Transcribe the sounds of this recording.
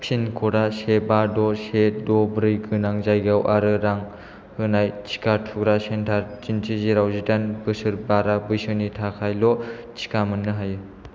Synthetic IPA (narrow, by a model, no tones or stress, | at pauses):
sinkʰɔɾasebadɔsedɔbɾɯjɡɯnaŋzajɡawʔaɾɯɾaŋ | hɯnajt͡ʃʰi̥katʰuɡɾasentʰaɾd͡ʒintʰiziɾawzidanbɯsɯɾbaɾabɯjsɯnitʰakʰajlɔt͡ʃʰi̥kamɯnːɯɦajɯ